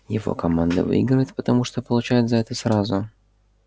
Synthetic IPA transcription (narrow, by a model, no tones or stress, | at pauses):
jɪvo̰kɐmand̪ə̰vɨ̰iɡɾəjɪt̪pət̪ɐmuʂt̪opəlˠʊt͡ɕæjɪt̪zɐɛt̪əsɾazʊ